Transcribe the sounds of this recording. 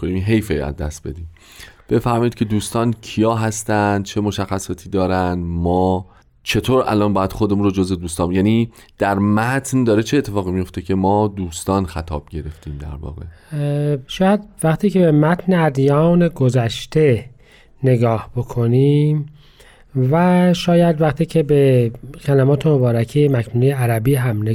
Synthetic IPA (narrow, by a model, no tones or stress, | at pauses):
oniminɦe̞jfejæ̰zd̪æ̰st̪b̥e̞d̪iːm | b̥e̞fæɾmɒːjid̪kcʰe̞d̪uːst̪ɒːncʰijɒːɦæst̪ænd̪̥̚t͡ʃʰe̞mo̞ʃæxːæsɒːt̪ʰiːd̪ɒːɾænd̪mɒː | t͡ʃʰe̞t̪ʰoːɾʔæ̰lʔɒːnbɒːjæd̪xod̪emunɾod͡ʒoze̞d̪uːst̪ɒːnjæniː | d̪̥æɾmæt̪ʰnd̪ɒːɾet͡ʃʰe̞ːt̪ʰːe̞fɒːɣimijo̞ft̪e̞cʰe̞mɒːd̪uːst̪ɒːnxæt̪ʰɒ̰ːb̥̚ɟe̞ɾe̞ft̪ʰiːmd̪æ̰ɾvɒ̰ːɣe̞̰ | ʃɒːjæd̪væχt̪ʰiːcʰe̞be̞mæt̪ʰne̞æd̪jɒːneɡo̞zæʃt̪e̞ | ne̞ɡɒːhb̥o̞kʰo̞niːm | væʃɒːjæd̪væχt̪ʰiːcʰe̞be̞kʰælæmɒːt̪ʰe̞mobɒːɾæcʰejemæcʰnuːnejeæɾæbiːɦæmne